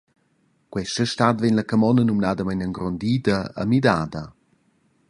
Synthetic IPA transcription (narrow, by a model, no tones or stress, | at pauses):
ɡ̥wɛʃəʃtadvenləkəmɔnənumnadəmajnəŋɡɾɔndiːdəə̰midaːdə